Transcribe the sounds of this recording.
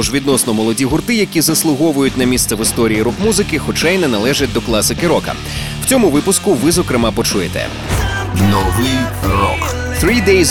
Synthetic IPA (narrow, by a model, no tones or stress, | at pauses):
ʒʋʲid̪nɔsnɔmɔlˠɔdʲiɦʊrt̪ɪjɐkʲizɐslˠʊɦɔʋʊjʊtʲnɐmʲist̪sɛʋɪst̪ɔɾʲiiɾɔkmuzɪkɪxɔt͡ʃajnɛnɐlˠɛʒɪt̚ʲd̪ɔklˠɑsɪkɪɾɔkɐ̰ | w̥t͡sʲɔmʊʋɪpʊskʊʋɪzɔkɾɪmɑpɔt͡ʃujet̪ɛ̰ | nɔʋɪjɾɔ̰k | θɾid̪ejz